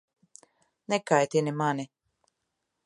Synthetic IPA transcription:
nɛkajt̪inimani

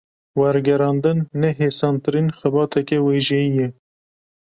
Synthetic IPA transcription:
wæɾɡɛɾɑːnd̪ɨnːɛɦeːsɑːnt̪ɨɾiːnxɛbɑːt̪ʰɛkɛweːʒɛjijɛ

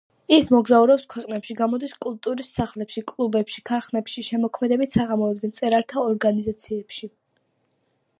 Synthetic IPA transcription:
ismɔɡzauɾɛpskʰwɛqʼnɛpʃiɡamɔd̪iskʼulˠt̪ʼuɾisːaχlɛpʃikʼlˠubɛpʃikʰaɾχnɛpʃiʃɛmɔkʰmɛd̪ɛbit̪ʰsaʁamɔɛbzɛmt̪sʼɛɾaɾt̪ʰaɔɾɡanizat̪sʰiɛpʃi

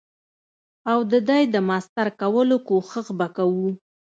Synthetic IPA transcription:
awd̪əd̪ajd̪əmɑst̪aɾkawəlokoxəxbakawu

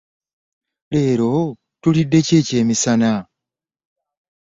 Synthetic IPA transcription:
le̞ːɾo̞ | tulidːe̞ce̞ːce̞ːmisana

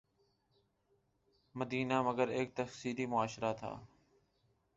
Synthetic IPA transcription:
məd̪iːnaːməɡəɾeːk̚t̪əxsiːɾiːmʊaːʃɾaːt̪ʰa̰ː

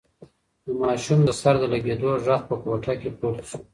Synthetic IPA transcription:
d̪əmɑʃumd̪əsaɾd̪əlaɡed̪oʐax̚pəkoʈakepoɾt̪ʃo

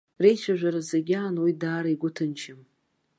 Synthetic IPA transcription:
re̞jt͡ʃʷʰaʒʷᶣaɾazaɡʲaːnwidaːɾaiɡʷʊtʰɨnt͡ʃʰɪm

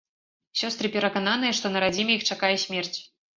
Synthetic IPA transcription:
sʲɔst̪ɾɨpʲɛɾɐkananɨjɐʂt̪ɔnɐɾad͡zʲimʲɛjixt͡ʂakajɛsʲmʲɛrt͡sʲ

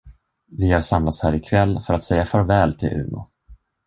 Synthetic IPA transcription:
vɪhaɾʂamlat̪shæːɾɪkʰvɛlːfœɾat̪sɛjːafœɾvɛːlt̪ʰɪ̰lʔʉ̟̰ːnʊ̰

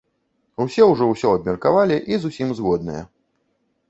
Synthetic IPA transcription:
usʲɛwʐɔwsʲɔɐbʲmʲɐrkavalʲiʔizusʲimzɣɔd̪nɨ̰jɛ̰

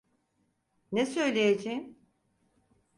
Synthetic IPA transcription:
nɛsø̞jlʲejed͡ʒejim

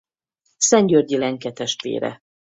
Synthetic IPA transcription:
sɛɲɟørɟilɛŋkɛt̪ɛʃt̪ʋḛːɾɛ̰

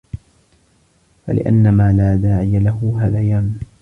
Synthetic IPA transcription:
fa̰lɪ̰ʔa̰nːamaːlaːd̪aːʕɪjalaɦʊɦaːðajaːm

